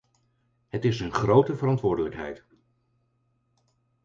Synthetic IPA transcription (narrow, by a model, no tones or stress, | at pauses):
ɦətɪsənχrowtəvəɾɑntʋʊːɹdələkɦɛ̰jt